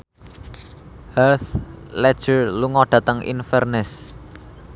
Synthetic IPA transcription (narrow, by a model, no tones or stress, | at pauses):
hɛrθlɛd̥ʒ̥ərluŋɔɖ̥ä̤t̪əŋʔḭnfɛrnɛs